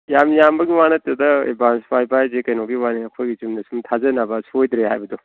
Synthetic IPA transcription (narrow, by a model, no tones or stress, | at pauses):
jamjambɐɡiwanɐt̪ɾudɐḛbansbajbajzekɐjnɔɡiwaniɐkʰojɡizumnɐsumtʰazɐnabɐsojdɾeɦa̰jbɐdu